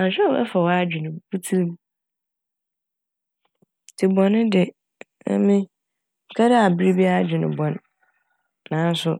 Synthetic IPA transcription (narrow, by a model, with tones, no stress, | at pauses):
ã˨ɕᶣɛ˦ɛ̰˦fa˨wɔ˦a˦d͡ʑᶣɪ˨nɪ̃˨bu˦tʰu˦ɾm | tʰɪ˨bɔ̃˨nʊ̃˦dɪ˨ | ɛ̰˦mĩ˦ | ŋ̩˨kʰa˦dɪ˦a˨bi˦ɾi˦bi˦a˦d͡ʑᶣɪ˨nʊ̃˨bɔ̃˨nː | ã˨˦n̩˦sʊ˨